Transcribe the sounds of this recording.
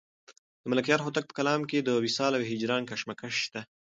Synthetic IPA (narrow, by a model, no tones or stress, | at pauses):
d̪̥əmalakjɑɾxot̪ak̚pə̥kalɑmked̪əwisɑlaweɦɪd͡ʒɾɑːnkaʃmakaʃːt̪a